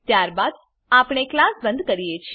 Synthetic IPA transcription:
t̪jaɾbad̪ | apɳ̃eklasbə̃nd̪kəɾijet͡ʃʰ

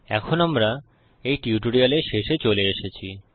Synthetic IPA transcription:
ɛ̰kʰonamɾa | ejʈiuʈuɽioleʃeʃet͡ɕoleeʃet͡ɕʰi

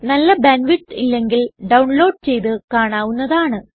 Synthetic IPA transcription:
nɐlːɐbɐnʋiʈːilːe̞ŋɡilɖɐwuɳlo̞ːɖ̚t͡ɕe̞jt̪ɨkaːɳaːʋunːɐðaːɳɨ

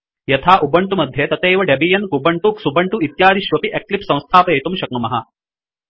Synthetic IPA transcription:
jɐt̪ʰaːʔubɐɳʈumɐd̪ʱjet̪ɐt̪eːʋɐɖebiːjɐnkubɐɳʈuːksubɐɳʈuit̪jaːd̪iʃʋɐpiʔeklipsɐ̃w̃st̪ʰaːpɐjɐjt̪umʃɐk̚ɳumɐɦɐ

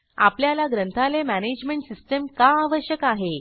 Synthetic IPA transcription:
a̰pljalaɡɾənt̪ʰalemæned͡ʑmeɳʈsisʈəmkaːʋəɕjəkaɦe

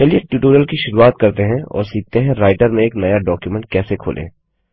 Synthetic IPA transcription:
t͡ʃɛlieʈjuːʈuːɾjəlkiʃʊɾuaːt̪kɐɾt̪eɦɛ̃ɔ̰ːɾsiːk̚t̪eɦɛ̃ɾaːɪʈəɾmẽeːknɐjaɖɔːkjumɛ̃ɳʈ̚kɛːsekʰo̰ːlʔḛ̃ː

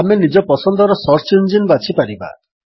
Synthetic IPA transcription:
amenid͡ʒɔpɔsɔnd̪ɔɾɔsɔɾt͡ʃind͡ʒinbat͡ʃʰipaɾiba̰

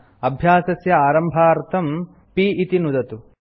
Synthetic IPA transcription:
ɐbʱjaːsɐsjɐaːɾɐmbʱaːɾt̪ʰɐm | piʔit̪inud̪ɐt̪u

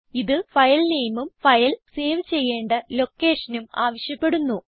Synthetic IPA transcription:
iðɨfɐjlnejɐmumfɐjɐlse̞ːʋɨt͡ɕe̞jːe̞ːɳɖɐlo̞kːe̞ːʂɐnumaːʋɐɕjɐpːe̞ɽunːu

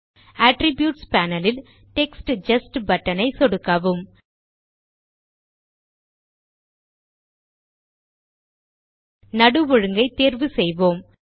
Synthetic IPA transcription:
aːʈɾɪbjuːʈspaːnɐlɪl | ʈɛksʈd͡ʒɐsʈbɐʈːɐnɐɪsɔɽɯkːɐʋɯm | nɐɽɯʋɔɻɯŋɡɐɪt̪ːeːɾʋɯsɛjʋoːm

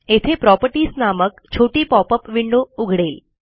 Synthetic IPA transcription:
et̪ʰepɾɔpəɾʈiːsnaməkt͡ɕʰoʈiːpɔpəpʋiɳɖouɡʱɽeːl

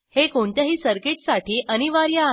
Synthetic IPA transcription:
hekoɳt̪jaɦiːsəɾkeʈsaʈʰiːʔəniʋaɾja

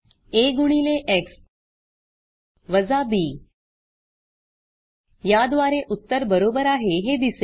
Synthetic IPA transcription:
eɡuɳ̃iːleʔeks | ʋəd͡zabiː | jad̪ʋaɾeʔut̪ːəɾbəɾoːbəɾaɦeɦed̪ise

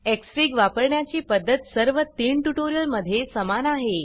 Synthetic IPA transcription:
eksɾiːɡʋapəɾɳjat͡ɕiːpəd̪ːət̪səɾʋət̪iːɳʈuʈoɾijəlməd̪ʱːjesəmanaɦe

